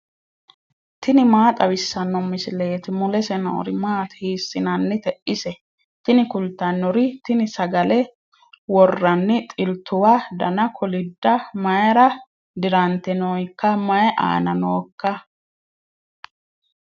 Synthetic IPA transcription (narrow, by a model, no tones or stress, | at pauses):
t̪ɪnɪmaːt̪ʼɐwɪsːɐnːɔmɪsɪle̞ːt̪ɪmʊlɛsɛnɔ̰ɔ̰ɾɪmaːt̪hiːsːɪnɐnːɪt̪ɛʔɪsɛ | t̪ɪnɪkʊlt̪ːɐnːɔɾɪt̪ɪnɪsɐɡɐlɛ | wɔrːɐnːɪt̪ʼɪlt̪ːʊwad̪ɐnɐkʰɔlɪd̪ːɐmɐjɾɐ | d̪ɪɾɐnt̪ɛnojkːɐmɐjɛʔa̰ːnɐnoːkːɐ